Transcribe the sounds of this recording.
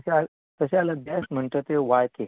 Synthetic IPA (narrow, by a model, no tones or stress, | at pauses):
sa | t̪əsealəbɛsm̤əɳʈ̪ət̪eʋaɭke